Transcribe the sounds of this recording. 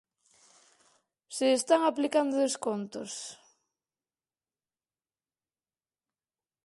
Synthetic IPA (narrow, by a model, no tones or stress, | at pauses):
seːst̪aŋaplikand̪oðeskont̪os